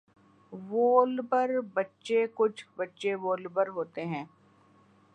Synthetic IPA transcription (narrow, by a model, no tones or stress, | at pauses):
ʋoːlbəɾbɐtːʃekʊt͡ʃʰbɐtːʃeʋoːlbəɾɦoːt̪eɦɛ̃ː